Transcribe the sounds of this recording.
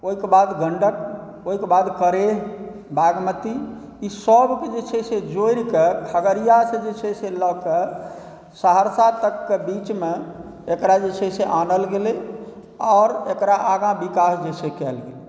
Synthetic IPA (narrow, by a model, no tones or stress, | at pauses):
oɦikebad̪ɡəɳɖək | oɦikebad̪kəɾe | baɡmət̪i | isəbked͡ʒet͡ʃʰesed͡ʒoiɾkekʰəɡəɾijased͡ʒet͡ʃʰeselɔke | saɦəɾsat̪əkːebit͡ʃme | ekɾad͡ʒet͡ʃʰɛseʔanəlɡele | aːɾekɾaʔaɡãbikasd͡ʒesekɛlɡele